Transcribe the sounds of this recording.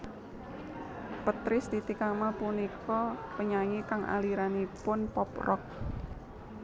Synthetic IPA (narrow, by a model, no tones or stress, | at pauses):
pət̪ɾɪst̪it̪ikamapunikɔpəɲaŋikaŋʔa̰liɾanipʊnpɔprɔ̰k̚